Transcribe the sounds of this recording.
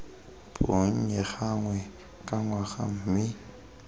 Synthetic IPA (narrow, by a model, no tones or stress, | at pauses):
poɲ̩ɲɛχaŋwɛ | kʼaŋwaχa̰m̩mɪ